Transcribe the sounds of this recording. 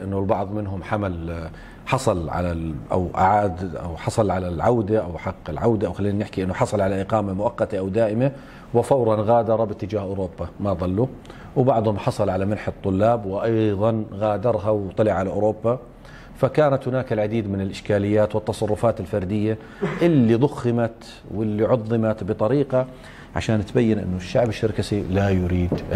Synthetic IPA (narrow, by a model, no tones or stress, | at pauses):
ʔɪnːʊlbɑʕðˤmɪnɦʊmħamal | ħɑsˤɑlʕa̰laʔa̰wʔa̰ʕaːd̪ʔa̰wħɑsˤɑlʕalalʕawd̪aʔawħɑqːɪlʕawd̪aʔawxalːiːnanɪħkiʔɪnːʊħɑsˤɑlʕalaʔɪqɑːmamʊʔɑqːɑt̪aʔawd̪aːʔɪma | wɪfawɾˤɑnɣaːd̪ɑɾˤɑbɪt̪ːɪd͡ʒaːhʔʊɾoːbːamaðˤɑlːu | wbɑʕd̪ˤhʊmħɑsˤɑlʕalamanħɨt̪ˤːʊlːaːbwɪʔɑjðˤɑnɣaːd̪ɑɾˤɦawt̪ˤːɑlɪʕalaʔʊ̰ːɾoːbːa | fakaːnat̪hʊnaːkɪlʕad̪iːd̪mɪnɪlʔɪʃkaːlɪjːaːt̪wɨt̪ːɑsˤɑrˤːʊfaːt̪ɪlfɑɾˤd̪ɪjːa | ʔɪlːiðˤʊxːɪmat̪ | wɪlːiʕʊðˤːɨmat̪bɨt̪ˤɑɾiːqɑ | ʕa̰ʃaːnt̪bajːɪnʔɪ̰nːʊʃːaʕbɪʃːɪɾkasilajʊɾiːd̪